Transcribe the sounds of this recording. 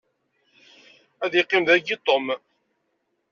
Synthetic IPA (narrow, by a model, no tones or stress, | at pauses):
æðiqːɪmðæɡit̪ˤom